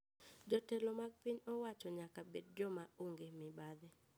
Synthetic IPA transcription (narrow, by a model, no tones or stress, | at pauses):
d͡ʒɔtɛlɔmaɡ̚piɲɔwat͡ʃɔɲakabed̚d͡ʒɔmaoŋɡemɪbad̪ɛ